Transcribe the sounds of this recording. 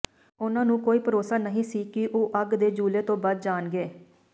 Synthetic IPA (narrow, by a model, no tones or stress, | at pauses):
ʊnãːnũːkoːiːpəɾoːsaːnəɦĩːsiːkɪʔoːʔəɡd̪eːd͡ʒuːleːt̪õːbaːd̪̚d͡ʒaːnɡeː